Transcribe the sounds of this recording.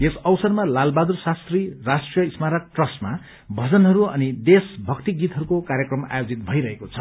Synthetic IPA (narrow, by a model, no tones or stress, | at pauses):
esʌwsʌrmalalbad̪ursast̪rirasʈrijʌismaɾak̚ʈrʌsʈma | bʱʌd͡zʌnɦʌɾuʌ̰nid̪esbʱʌkt̪iɡit̪ɦʌɾukokaɾjʌkrʌma̰jod͡zit̪̚bʱʌiɾʌɦekot͡sʰʌ